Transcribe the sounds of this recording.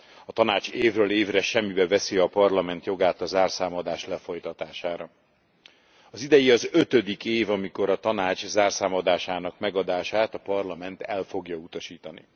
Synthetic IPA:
ɒt̪ɒnaːt͡ʃeːvrøːleːvrɛʃɛmːibɛvɛsiɒpɒrlɒmɛnt̪jo̞ɡaːt̪ɒzaːrsaːmɒd̪aːʃlɛfo̞jt̪ɒt̪aːʃaːɾɒ | ɒzid̪ɛjiɒzøt̪ø̞d̪ikeːvɒmiko̞ɾɒt̪ɒnaːt͡ʃzaːrsaːmɒd̪aːʃaːn̪ɒkmɛɡɒd̪aːʃaːt̪ɒpɒrlɒmɛnt̪ɛlfo̞ɡjɒut̪ɒʃiːt̪ɒnḭ

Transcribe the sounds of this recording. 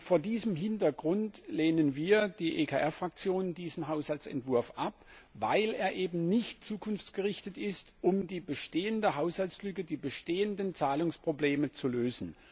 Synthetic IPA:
foːɐdiːzəmɦɪntɐɡʁʊntleːnənviːɐd̥iːʔekʰa̰ʔɛɐfʁ̥ak̚t͡sjoːnndiːzn̩ɦaʊshalt͡sɛ̰ntv̥ʊɐfʔap̚vaɪleːɐʔeːbm̩nɪçtt͡suːkʰʊnft͡sɡ̥əʁɪçtətɪstʔʊmdiːbəʃteːəndəɦaʊshalslʏkədiːbəʃteːəndənt͡saːlʊŋspʁ̥obleːmət͡suløːzn̩

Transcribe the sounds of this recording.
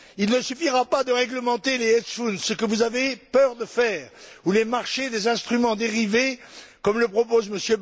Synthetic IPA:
ilnəsyfiʁapad̪əʁɛɡləmɑ̃t̪eleɛt̪sfunsəkəvuzavepœʁd̪əfɛːʁulemaʁʃed̪ezɛ̃st̪χymɑ̃d̪eʁivekɔmləpχɔpozməsjøb

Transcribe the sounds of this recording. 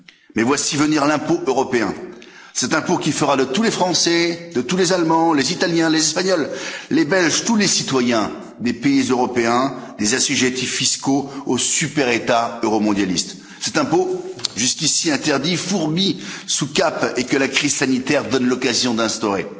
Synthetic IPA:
mɛvwasivəniʁlɛ̃poʔøʁɔpeɛ̰̃ | sɛt̪ɛ̃pokʲifəʁad̪ət̪ulefχɑ̃sɛd̪ət̪ulezalmɑ̃lezit̪aljɛ̃lezɛspaɲɔlːebɛlʒt̪ulesit̪wajɛ̃ | d̪epeizøʁɔpeɛ̃d̪ezasyʒet̪ifːiskoosypɛʁet̪aøʁɔmɔ̃d̪jalist̪ | sɛt̪ɛ̃poʒyskʲisiɛ̃t̪ɛʁd̪ifuʁbisukapekəlakχiz̥sanit̪ɛʁd̪ɔnlɔkazjɔ̃d̪ɛ̃st̪ɔʁe

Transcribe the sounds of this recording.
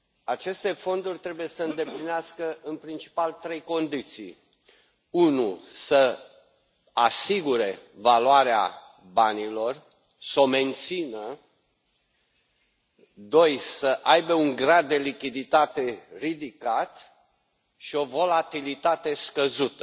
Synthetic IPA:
at͡ʃe̞st̪e̞fo̞nd̪urʲt̪ɾe̞buje̞səɨnd̪e̞plineaskəʔɨnpɾint͡ʃi̥palt̪ɾe̞jko̞nd̪it̪sḭj | unusə | asiɡuɾe̞valuaɾea̰ | banilo̞r | so̞me̞nt̪sinə | d̪o̞jsəʔajbe̞uŋɡɾad̪̚ːe̞likʲid̪it̪at̪e̞rid̪ikat̪ | ʃio̞vo̞lat̪ilit̪at̪e̞skəzut̪ə̥

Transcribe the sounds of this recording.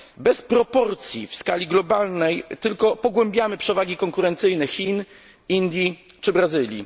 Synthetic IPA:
bɛspɾɔpɔɾt̪sʲjḭfskalʲiɡlɔbalnɛjt̪ɘlkɔpɔɡwɛmbʲjamɘpʂɛvaɡʲikɔŋkuɾɛnt̪sɘjnɛxʲin | ind̪ʲji | t͡ʂɘbɾazɘlʲjḭ

